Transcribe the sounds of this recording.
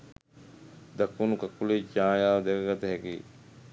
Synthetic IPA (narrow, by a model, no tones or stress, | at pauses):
d̪ɐkːunukakːuled͡ʒaːjaːʋɐd̪ekɐɡɐt̪ɐɦɛkiː